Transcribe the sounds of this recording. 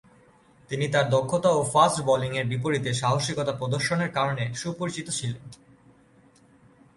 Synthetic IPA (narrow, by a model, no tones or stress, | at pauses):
t̪init̪aɾd̪okʰːot̪aofasʈbɔliŋeɾbip̬oɾit̪eʃaɦoʃɾikot̪apɾod̪oɾʃoneɾkaɾoneʃupoɾit͡ɕit̪ot͡ɕʰilen